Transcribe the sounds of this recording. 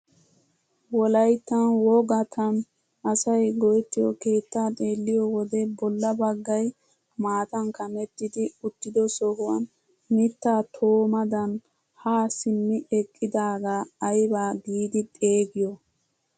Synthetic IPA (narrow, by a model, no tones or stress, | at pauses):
wɔlɐjt̪ːɐnwɔɡɐt̪ʰɐn | ɐsɐjɡɔjɛt̪ːɪjɔke̞ːt̪ːaːt̪ʼe̞ːlːɪjɔwɔd̪ɛbɔlːɐbɐɡːɐj | maːt̪ɐnkɐmɛt̪ːɪd̪ɪʊt̪ːɪd̪ɔsɔhʊwɐ̰n | mɪt̪ːaːt̪ʰoːmɐd̪ɐn | haːsɪmːɪɛkʼːɪd̪aːɡaːjbaːɡiːd̪ɪt̪ʼe̞ːɡɪjɔ